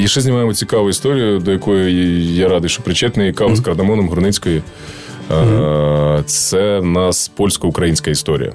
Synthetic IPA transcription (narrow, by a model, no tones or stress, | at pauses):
iʃɛzʲnʲimɑjemɔt͡sʲikɑʋʊist̪ɔɾʲijʊd̪ɔjɐkɔjʊjaɾɑd̪ɪjʃt͡ʃɔpɾɪt͡ʃɛt̪nɐikɑʋʊskɐɾd̪ɐmɔnɔmɦɾʊnɪt͡sʲkɔji | t̪sɛnɑspɔlʲsʲkɔʊkɾɐjinʲsʲkɐist̪ɔɾʲḭjɐ̰